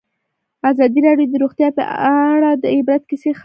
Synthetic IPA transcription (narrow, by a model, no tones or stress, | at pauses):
azɑd̪iɾɑɖjod̪əɾoɣt̪jɑpə̰aɽad̪əɪbɾat̪̚kɪsex